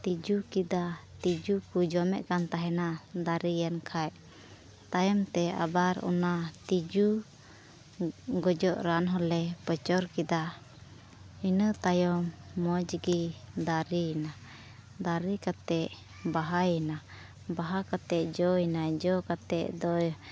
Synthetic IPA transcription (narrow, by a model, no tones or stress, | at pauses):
t̪id͡ʒukid̪at̪id͡ʒukud͡ʒɔmɛ̰ʔkant̪aɦɛnad̪aɾijankʰajʔ | t̪ajɔmt̪ɛa̰baɾɔ̰nat̪id͡ʒu | ɡɔd͡ʒɔʔɾanɦɔlɛpət͡ʃɔɾkid̪a | inət̪ajɔmːɔd͡ʒɡid̪aɾina | d̪aɾikat̪ɛʔ | baɦajna | baɦakat̪ɛʔd͡ʒɔinad͡ʒɔkat̪ɛʔd̪ɔ